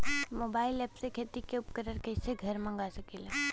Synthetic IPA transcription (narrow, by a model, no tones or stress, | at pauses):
moːbaːɪlɛpsekʰeːt̪ikeʊpkəɾəɾkɛɪseɡʱɐɾmɐ̃ŋɡasəkela